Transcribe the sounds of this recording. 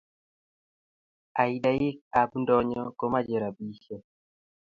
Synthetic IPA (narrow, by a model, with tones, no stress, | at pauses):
a˨i˨da˦jɪ˦k̚a˨bndɔ˦ɲɔko˦ma˦d͡ʒɛ˨ɾa˨bi˦ʃe˦